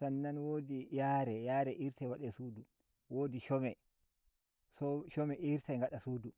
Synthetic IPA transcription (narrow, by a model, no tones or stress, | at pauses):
sanːanwoːdijaːɾɛjaːɾɛʔiɾtajwaɗɛsuːdu | woːdiʃɔmɛ | sɔʃɔmɛʔiɾtʰajŋɡaɗasuːdu